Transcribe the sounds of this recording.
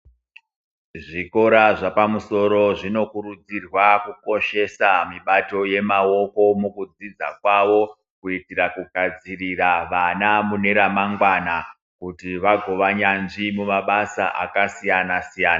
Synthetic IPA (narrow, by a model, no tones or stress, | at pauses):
ʐiko̞ɾaʐapamuso̞ɾo̞ʐino̞kuɾud͡zirwakuko̞ʃe̞samiɓato̞je̞mawo̞ko̞mukud͡zid͡za̰kwaʋo̞ | kuitirakuɡʱad͡ziriraʋanamune̞ɾamaŋɡwana | kutiʋaɡʱo̞ʋaɲanʐimumaɓasa̰ʔa̰kasijanasijaːna